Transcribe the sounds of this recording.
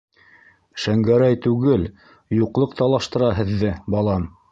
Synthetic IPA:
ʃæŋɡæɾæjt̪ʉɡɘl | juqlˠɤqt̪ɑlˠɑʃt̪ɤ̆ɾɑɦɘ̆ðːɘbɑlˠɑm

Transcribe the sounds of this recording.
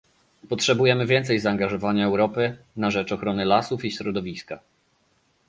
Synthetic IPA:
pɔtʂɛbujɛmɘvʲjɛnt̪sɛjzaːŋɡaʐɔvaɲaɛwɾɔpɘ | naʐɛt͡ʂɔxɾɔnɘlasufiɕɾɔd̪ɔvʲiska

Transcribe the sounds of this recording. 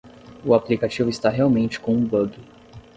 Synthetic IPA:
ʊaplikat͡ʃivʊist̪aɦeawmẽnt͡ʃɪ̥kõũbɐbʊ

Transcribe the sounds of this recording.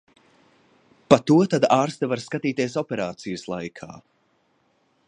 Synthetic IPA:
pat̪uɔt̪ad̪aːɾst̪avaɾskat̪iːt̪ieɛsɔpʲɛɾaːt̪sijəslˠajkʰa̰ː

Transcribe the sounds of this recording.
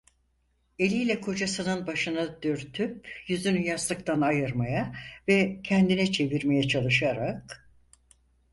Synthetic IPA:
e̞lʲijlʲɛkʰo̞d͡ʒasɯnɯnbaʃɯnad̪øɾt̪ʰypjyzynyjasˠɯkt̪ʰanajɯɾmajavɛcʰɛnd̪inɛt͡ʃʰe̞viɾme̞jɛt͡ʃʰalˠɯʃaɾak

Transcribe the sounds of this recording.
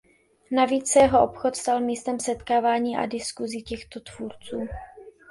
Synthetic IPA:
naviːt͡ssɛjɛɦo̞ʔo̞pxot̪st̪almiːst̪ɛmsɛt̪kaːvaːɲiːʔa̰dɪskuzicɛxt̪o̞t̪v̥uɾt͡suː

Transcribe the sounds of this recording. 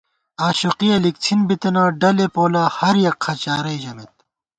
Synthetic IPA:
aːɕuqiɐlik̚t͡sʰinbit̪ɐnaːɖɐlepoːlahɐɾjɐkʰɐt͡ɕaːɾɐjd͡ʑɐmet̪̚

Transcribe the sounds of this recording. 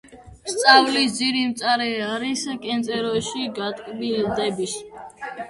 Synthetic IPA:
st̪sʼavlisd̪ziɾimt̪sʼaɾɛaɾiskʼɛnt̪sʼɛɾɔʃiɡat̪ʼkʼbild̪ɛbis

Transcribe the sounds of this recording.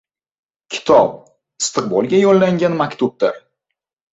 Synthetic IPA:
kʲʰɪ̥t̪ʰɒp̚ | ɪst̪ʰɨq̚bɒlˠɡʲajɒlːaŋɡʲanmakʲt̪ʰub̚d̪a̰ɾ

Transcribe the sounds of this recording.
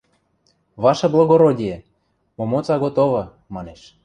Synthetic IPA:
βɑʃɤ̆blˠoɣoɾodʲijĕ | momot͡sɑɣot̪oβɤ̆ | mɑneʃ

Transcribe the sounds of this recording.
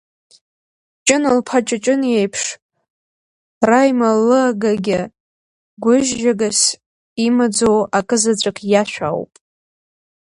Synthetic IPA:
t͡ʃʼɪnɨlpʰat͡ʃʼat͡ʃʼɨnjejpʰʂ | rajmalːɨaɡaɡʲɪ | ɡʷʊʒʒaɡas | imad͡zowakʼɨzat͡ɕʷʼakʼʰjaʃʷᶣa̰wpʼ

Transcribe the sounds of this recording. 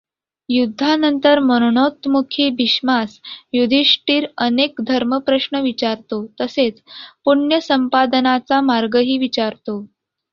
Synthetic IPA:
jud̪ʱːanənt̪əɾməɾoɳot̪mukʰibʱiɕmasjud̪ʱiʂʈiːɾənekd̪ʱəɾməpɾəʂɳəʋit͡ɕaɾt̪ot̪əset͡spuɳjəsəmpad̪ənat͡samaɾɡəɦiːʋit͡ɕaɾt̪o

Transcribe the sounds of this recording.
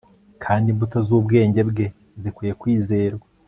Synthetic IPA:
kʰaːndimbuto̞zuːbɡe̞ːɲɟe̞bɡe̞ | zikwiːje̞kwiːze̞ːɾɡwa

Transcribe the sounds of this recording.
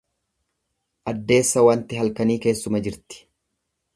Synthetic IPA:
ʔɐd̪ːe̞ːsːɐwɐnt̪ɪɦɐlkɐniːke̞ːsːʊmɐd͡ʒɪɾt̪ɪ̥

